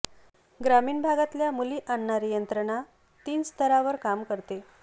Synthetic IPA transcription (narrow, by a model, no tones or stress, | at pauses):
ɡɾamiːɳbʱaɡat̪ljamuliːʔaɳːaɾijənt̪ɾəɳa | t̪iːnst̪əɾaʋəɾkamkəɾt̪e